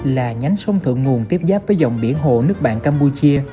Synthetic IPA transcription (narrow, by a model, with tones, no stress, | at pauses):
laː˨˩ɲa˨˦jŋ̟sə˧wŋ͡mt̪ʰɨ̰˧˨əŋːu˨˩ənt̪i˦˥əp̚zaː˦˥p̚vəː˨˦jza˨˩wŋ͡mɓi˧˩ənɦo̰˧˨nɨ˦˥ək̚ɓa̰ː˧˨nkaː˧mpu˧t͡ɕi˧ə